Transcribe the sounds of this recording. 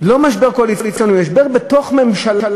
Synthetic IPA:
lo̞maʃbeʁkolit͡slit͡sjonumaʃbeʁbeto̞χme̞mʃalal

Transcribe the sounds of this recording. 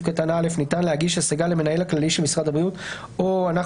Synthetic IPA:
kat̪anaale̞fnit̪anlehaɡiʃasaɡaleme̞nae̞laklaliʃelmisʁadabʁijut̪ | oanaχ

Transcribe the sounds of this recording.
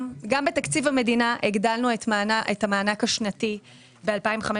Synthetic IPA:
ɡambet̪akt͡sivame̞dinaʔeɡd̪alnuaʔetamaːnakhaʃnati | bealpaimχame

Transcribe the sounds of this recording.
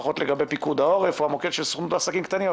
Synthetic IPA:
χo̞t̪leɡabepikud̪ao̞ʁefuamoked̪ʃelso̥χnutaːsakimkt̪anim

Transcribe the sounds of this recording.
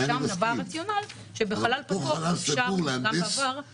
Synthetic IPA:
ʃamavaʁat͡sjonal | ʃebeχalalpooalasiʃauʁleaaavaʁ

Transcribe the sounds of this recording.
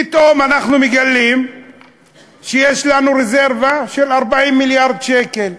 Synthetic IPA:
pit̪omanaχnumiɡalːim | ʃejeʃlanuɾeze̞ʁvaʃe̞laʁbaʕimːiljaʁd̪ʃekel

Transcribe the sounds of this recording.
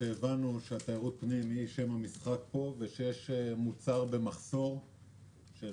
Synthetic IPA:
eːvanuʃeat̪ajaʁut̪̚pnimhiʃe̞mhamisχak̚po̞veʃejeʃmut͡saʁbe̞maχso̞ʁ | ʃe

